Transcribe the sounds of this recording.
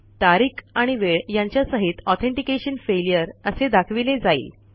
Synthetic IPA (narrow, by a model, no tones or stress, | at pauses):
t̪aɾiːkʰaɽ̃iʋeɭjaɲt͡ɕjasəɦit̪ɔt̪ʰeɳʈikeɕənfelijəɾəsed̪akʰʋiled͡zaḭːl